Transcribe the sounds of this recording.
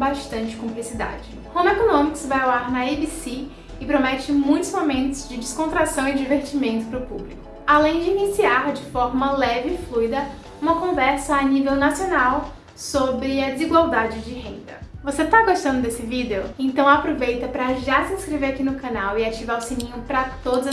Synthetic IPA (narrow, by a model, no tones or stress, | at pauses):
baʃt̪ɐ̃nt͡ʃɪ̥kũplisid̪a̰d͡ʒɪ | hõmekonõmikʊ̥svajowaɾnɐibisi | ɪpɾomɛt͡ʃɪmũj̃t̪ʊzmomẽnt̪ʊzd͡ʒɪd͡ʒɪskõnt̪ɾasɐ̃w̃ɪd͡ʒiveɾt͡ʃimẽnt̪ʊ̥pɾʊpublikʊ̥ | alẽj̃d͡ʒɪinisiaɾd͡ʒɪfɔɾmɐlɛvɪːflujd̪ɐ | ũmɐkõvɛɾsɐːnivewnasionaw | sobɾɪɐd͡ʒɪziɡwawd̪ad͡ʒɪd͡ʒɪɦẽnd̪ɐvoset̪aɡoʃt̪ɐ̃nd̪ʊd̪esɪvid̪eʊẽnt̪ɐ̃w̃apɾovejt̪ɐpɾɐʒasiĩskɾeveɾakinʊkɐ̃nawɪat͡ʃivaɾʊsinĩɲʊpɾɐt̪od̪ʊzɐ